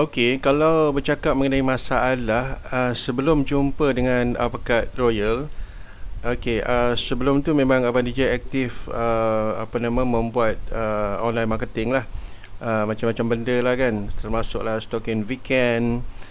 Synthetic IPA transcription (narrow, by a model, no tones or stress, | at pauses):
okekalawbərt͡ʃakap̚məŋənaimãsaːtlahəsəbəlʊmd͡ʒumpədəŋãna̰pakarojəl | okeəsəbəlʊmt̪umẽmãŋapandid͡ʒajɛk̚t̪ɪfəapanãmãmə̃mbuat̪̚əonlajnmakət̪ɪŋlah | ʔəmãt͡ʃamːat͡ʃambəndəlahkant̪ərmasʊʔ̚lahst̪okɪnwikɛn